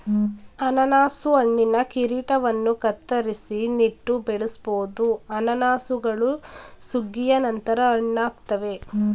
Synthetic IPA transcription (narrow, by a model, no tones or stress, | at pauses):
ɐnɐnaːsuɐɳːinɐkiɾiːʈɐʋɐnːukɐt̪ːɐɾisiniʈːubɛɭusboːd̪uɐnɐnaːsuɡɐɭusuɡːijɐnɐnt̪ɐɾɐːɳːaːɡt̪ɐʋe̞